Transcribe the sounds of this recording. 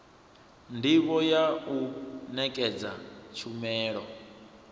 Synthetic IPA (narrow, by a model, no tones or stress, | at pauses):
ndiβɔjaunɛkʼɛd͡za̰t͡ʃʰumɛːɺɔ